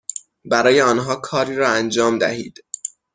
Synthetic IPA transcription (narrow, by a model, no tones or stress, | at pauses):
bæɾɒːjeɒːnɦɒːkʰɒːɾiːɾɒːænd͡ʒɒːmd̪æ̰hḭːd̪̥